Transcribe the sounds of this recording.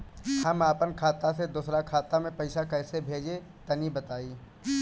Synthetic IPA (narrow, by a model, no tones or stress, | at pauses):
hɐmaːpənkʰaːt̪ased̪uːsɾakʰaːt̪amẽpɐɪʃakɛːsebʱeːd͡ʒe | t̪ɐnibɐt̪aːiː